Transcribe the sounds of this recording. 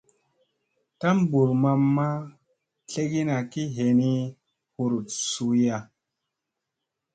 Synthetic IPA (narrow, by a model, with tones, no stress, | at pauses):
ta˦mbu˨ɾma˧mːa˦ | ɬe˦ɡi˦na˨ki˦ɦe˨ni˦ | hu˨ɾu˨t̚su˧ja˦˧